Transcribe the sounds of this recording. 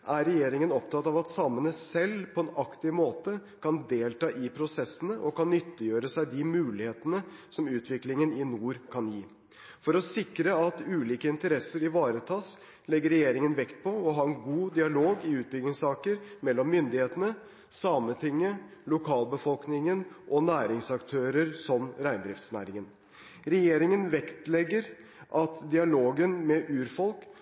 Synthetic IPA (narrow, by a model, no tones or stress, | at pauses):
ʔæɾɛjeːɾɪŋənɔpt̪ʰɑt̪ːɑʋɑt̪sɑmːənəsɛlpʰɔɛnɑkt̪ɪmoːt̪ə | kʰɑnd̪eːlt̪ɑːʔɪpʰɾʊsɛsːənəʔɔkɑnːʏt̪ːəjøːɾəsæɪd̪ɪmʉːlɪheːt̪ənəsɔmʉːt̪ʋɪklɪŋənɪnuːɾkʰɑnjiː | fɔɾɔsɪkɾəɑt̪ʉːliːkəɪnt̪əɾɛsːəɾɪʋɑːɾət̪ʰɑːs | lɛɡːəɾɛjeːɾɪŋənʋɛkt̪̚pʰɔɔɦɑːɛnɡuːd̪ɪɑloːɡɪʉːt̪̚bʏɡnɪŋsɑːkəɾmɛlːɔmːʏnd̪ɪheːt̪ənə | sɑːmət̪ʰɪŋːəlʊkʰɑːlbəfɔlknɪŋənʔɔnæːɾɪŋsɑkt̪ʰøːɾəɾsɔmɾæɪnd̪ɾɪft̪snæ̰ːɾɪŋən | ɾɛjeːɾɪŋənʋɛkt̪lɛɡːəɾ | ʔɑt̪d̪ɪɑloːɡənmɛʔʉːɾfɔlk